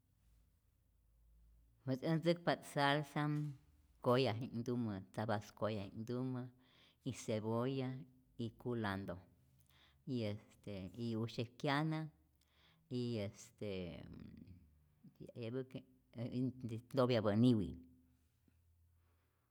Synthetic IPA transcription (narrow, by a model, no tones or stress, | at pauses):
het͡sənd͡zɨk̚pat̪salsam | kojaɦind̪umət͡sabaskojaind̪umə | iseboja | ikuland̪o | iest̪eiuʃekjana | iest̪e | a̰jabk | d̪objabaniwḭ